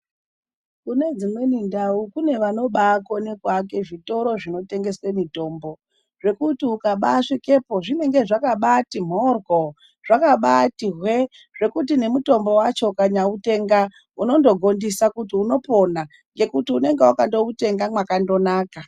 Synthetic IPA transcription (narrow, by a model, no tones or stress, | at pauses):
kune̞d͡zimwe̞nindaukune̞ʋano̞ɓako̞nekwak̬e̞ʐito̞ɾo̞ʐino̞te̞ŋɡe̞swe̞mito̞ːmbo̞ | ʐe̞kutiukaɓaʂeke̞po̞ʐine̞ŋɡe̞ʐakaɓatim̤o̞rɡo | ʐ̥akaɓatiɦwe̞ | ʐ̥e̞kutine̞muto̞mbo̞wat͡ʃo̞kaɲaute̞ŋɡa | uno̞ndo̞ɡʱo̞ndisakutiuno̞po̞na | ŋɡe̞kutiune̞ŋɡeukando̞ute̞ŋɡamwakando̞naːka